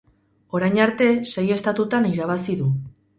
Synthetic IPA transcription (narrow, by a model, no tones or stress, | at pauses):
o̞ɾajɲaɾt̪e̞se̞je̞st̪at̪ut̪aniɾaβ̞asiðu